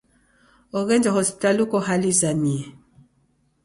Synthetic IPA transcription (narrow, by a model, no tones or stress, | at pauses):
ɔɣɛnd͡ʒahɔsi̥talukɔɦalizaniɛ